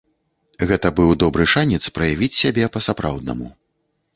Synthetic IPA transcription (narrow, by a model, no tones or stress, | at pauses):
ɣɛt̪ɐbɨwd̪ɔbɾɨʂanʲɛt̪spɾɐjavʲit͡sʲsʲabʲɛpɐsapɾa̰wd̪nɐ̰mṵ